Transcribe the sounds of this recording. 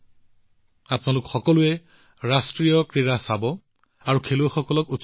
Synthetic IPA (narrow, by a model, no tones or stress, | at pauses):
apnalʊkxɔkɔlʊɛ | ɹastɹijɔkɹiɹasabɔ | aɹukʰeluɛxɔkɔlɔku